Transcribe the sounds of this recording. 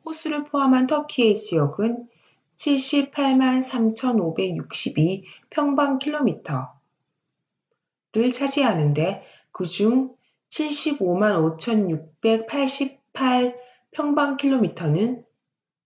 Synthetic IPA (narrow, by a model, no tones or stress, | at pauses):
hosʰuɾɯɭpʰoɦamɦantʰʌkʰie̞d͡ʑijʌɡɯn | t͡ɕʰiɭɕ͈ipʰaɭmansʰamt͡ɕʰʌnobe̞ɡjuk̚ɕ͈ibipʰjʌŋbaŋkʰiɭːomitʰʌ | dɯɭt͡ɕʰad͡ʑiɦanɯnde̞ | kɯd͡ʑuŋ | t͡ɕʰiɭɕ͈ibomanot͡ɕʰʌnjuk̚p͈e̞k̚pʰaɭɕ͈ip̚pʰːaɭ | pʰjʌŋbaŋkʰiɭːomitʰʌnɯn